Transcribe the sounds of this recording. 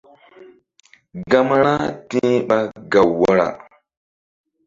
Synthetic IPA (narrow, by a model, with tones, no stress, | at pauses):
ɡa˦m˦ɾa˦ti˦ɓa˦ɡa˨wwa˦ɾa̰˨